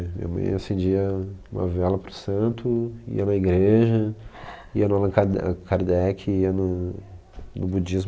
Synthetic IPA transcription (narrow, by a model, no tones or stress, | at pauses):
mḭ̃ɲɐ̰mɐ̰̃j̃asẽd͡ʒiɐũmɐ̰vɛlɐpɾʊsɐ̃nt̪ʊḭɐnɐiɡɾeʒɐ | iɐnʊalɐ̃kakaɾd̪ɛkʰɪiɐnʊ | nʊbud͡ʒizm